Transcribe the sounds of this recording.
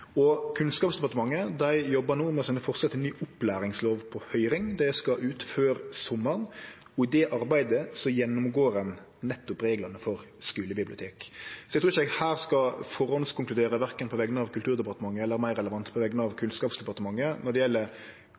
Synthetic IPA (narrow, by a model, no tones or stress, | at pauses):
ɔkʰʉnskɑːpsd̪ɛpɑt̪əmɑŋːəd̪æɪjɔbːɑnuːmɛsɛnəfɔɾsɑt̪ːɛnnyːʔʊplæːɾɪŋsloːʋpʰɔhœʏɾɪŋd̪ɛskɑʔʉːt̪føːɾsɔmːən | ɔɪd̪ɛʔɑɾbæɪd̪əsɔjɛnːʊmɡoːɾɛn | nɛt̪ːʊpɾeːɡlɑnəfɔɾ | skʉːləbɪblɪʊt̪ʰeːksɔɛɡt̪ʰuːɪçəɛɡhæːɾskɑfɔɾɔnskʰʊŋklʉd̪eːɾəʋæɾkənpʰɔʋɛɡənəɑʋkʰʉlt̪ʉːɾd̪ɛpɑɾt̪əmɑŋːəɛlːəɾmæɪɾːɛləʋɑnt̪pʰɔʋɛɡənəɑʋkʰʉnskɑːpsd̪ɛpɑʁt̪əmɑŋːənɔd̪ɛjɛlːə